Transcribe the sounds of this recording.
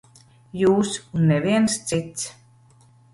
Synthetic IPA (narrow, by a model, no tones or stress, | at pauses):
jusʲunːeβenst͡sit͡s